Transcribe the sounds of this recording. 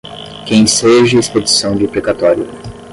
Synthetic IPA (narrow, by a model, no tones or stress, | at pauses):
kẽj̃seʒɐesped͡ʒisɐ̃w̃d͡ʒɪpɾekat̪ɔɾjʊ